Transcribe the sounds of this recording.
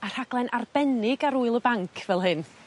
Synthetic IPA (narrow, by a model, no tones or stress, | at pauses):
ar̥haɡlˠɛnʔarb̥ɛnɪɡaɾuɨlˠəbaŋkʰv̥ɛlˠɦɨn